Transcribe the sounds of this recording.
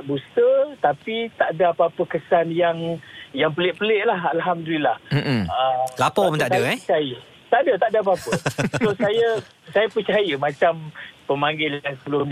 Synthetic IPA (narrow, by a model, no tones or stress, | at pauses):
bust̪ət̪apit̪aʔdaapəapəkəsanjaŋjaŋpəlɪʔpəlɪʔlahalɦamd̪ulilah̩əlapɔmt̪asadəəpət͡ʃajə | t̪aʔdət̪aʔdaap̬əapəsosajə | sajəpət͡ʃajəmãt͡ʃampəmaŋɡɪlansəbəlʊ